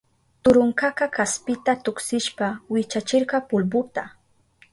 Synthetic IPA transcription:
t̪ʊɾʊŋkakakaspɪt̪at̪ʊksɪʃpawɪt͡ʃat͡ʃɪɾɢɑpʊlbʊt̪a

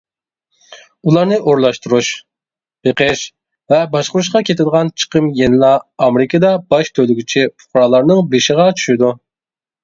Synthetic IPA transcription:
ulˠɑɾnɨʔoɾlˠɑʃt̪uɾuʃ | b̥eqʰəʃ | vɛbɑʃqəɾuʃ̬qɑkʲʰet̪ʰɪd̪əʁɑnt͡ʃʰə̥qʰəmjenɪlˠɑːmɾɪkʰəd̪ɑbɑʃt̪ʰølyɡʲit͡ʃʰipʰʊ̥χɾɑlˠɑɾnɨŋbeʃɪʁɑt͡ʃʰy̥ʃɪd̪u

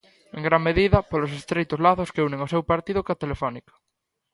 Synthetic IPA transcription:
eŋɡɾaŋmeðiðɐpolosest̪ɾejt̪ozlaθoskeunẽŋosewpaɾt̪ið̞okat̪elefɔnikḁ

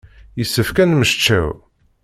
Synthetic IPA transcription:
jəsːəfkænməʃt͡ʃːæ̰w

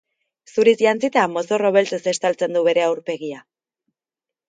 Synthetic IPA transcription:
suɾisʝant͡sit̪amo̞soro̞β̞e̞lt͡sese̞st̪alt͡se̞nd̪uβe̞ɾe̞awɾpe̞ɣia

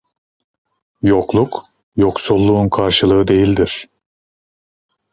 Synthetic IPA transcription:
jo̞klˠuk | jo̞ksulˠːuunkʰaɾʃɯlˠɯɯd̪e̞jilʲd̪iɾ̥

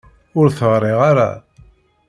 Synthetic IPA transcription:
ʊɾθəʁɾˤeʁaɾa̰

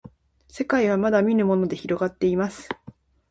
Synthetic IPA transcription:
se̞kaiβ̞amad̪amʲiɾɯ̟mo̞no̞d̪e̞çiɾo̞ɡat̪ːe̞imasɨ̥

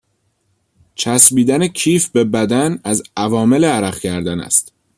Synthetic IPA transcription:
t͡ʃʰæsbiːd̪ænecʰiːfbe̞bæd̪ænæzævɒːme̞leæɾæχcʰæɾd̪ænæ̰st̪

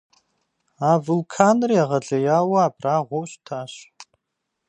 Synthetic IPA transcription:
aːvɨlkʰaːnriaʁɐɮʼɐjaːwɐːpraːʁʷɔwɕtʰaːɕ

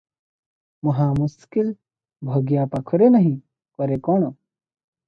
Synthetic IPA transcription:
mɐɦaːmuskil | bʱɐɡjaːpɐkʰuɾenɐɦĩ | kɔɾekoːɳo

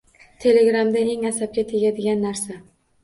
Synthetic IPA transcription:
t̪ʰe̞le̞ɡɾamd̪ae̞ŋasab̚kʲat̪ʰeɡʲad̪ɪɡʲanːaɾsa

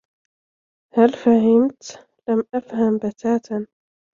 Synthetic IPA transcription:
halfaɦɪmt̪ | lamʔafhambat̪ʰaːt̪n

